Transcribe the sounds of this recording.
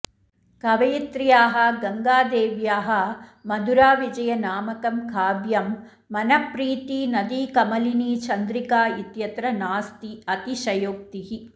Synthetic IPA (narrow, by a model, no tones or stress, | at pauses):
kɐʋɐjit̪ɾijaːɦɐɡɐŋɡaːd̪eːʋjaːɦɐ̆mɐd̪uɾaːʋid͡ʒɐjɐnaːmɐkɐmkʰaːbjɐmː | ɐnɐpɾiːt̪inɐd̪iːkɐmɐliniːt͡ʃɐnd̪ɾikaːit̪jɐt̪ɾɐnaːst̪iɐt̪iʃɐjoːk̚t̪iɦi